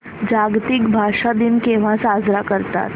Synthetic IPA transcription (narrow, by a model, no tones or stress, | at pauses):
d͡ʑaɡt̪ikbʱaʂad̪imkeʋ̤asad͡zɾakəɾt̪a̰t̪